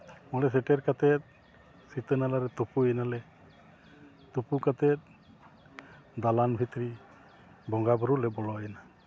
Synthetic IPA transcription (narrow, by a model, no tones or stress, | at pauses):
mɔlɛs̬eʈɛɾkat̪ɛt̪̚ | sit̪ənalaɾɛt̪upuɛnalɛ | t̪upukat̪ɛt̪̚ | d̪alanbʱit̪ɾi | bɔŋɡabɔɾulɛbɔlɔɛna